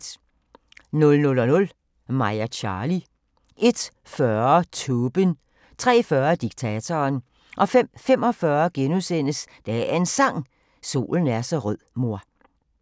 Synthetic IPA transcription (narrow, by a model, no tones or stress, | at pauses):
d̥ | nɔ̽lnɔ̽lɒnɔ̽l | mɑ̈ɪɐɕʰɑ̈ːli | ʔe̝d̥ | fɶɐt͡sʰoːb̥ən | t͡sʰʁɛ̰ːfɶɐd̥iɡ̥̚t͡sʰɛːt͡sʰɒːn | ʔɒ̽fem̰fem̰ɒ̽fɶɐɡ̥enusen̰əsd̥ææe̝nsɑ̈ŋ̰ | so̝̰ːln̩æɐsɒ̽ʁœð̰ˠmo̝ɐ̰